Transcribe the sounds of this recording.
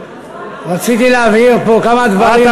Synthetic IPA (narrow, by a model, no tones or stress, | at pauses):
ʁat͡sit̪ileaviʁpokamad̪vaʁi